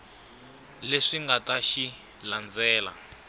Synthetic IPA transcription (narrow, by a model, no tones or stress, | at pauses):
leʂiŋɡataʃi | land͡zɛːla̰